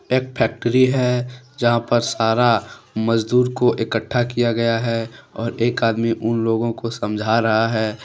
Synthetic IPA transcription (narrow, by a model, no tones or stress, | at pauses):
eːk̚pʰɛːk̚ʈəɾiɦɛd͡ʒɐɦãpɐɾsaːɾamɐd͡ʒd̪uːɾkoʔɪkəʈʰːakijaɡɐjaɦɛɔːɾeːkaːd̪miʔʊnloːɡõkosɐ̃md͡ʒʱaɾɐɦaɦɛː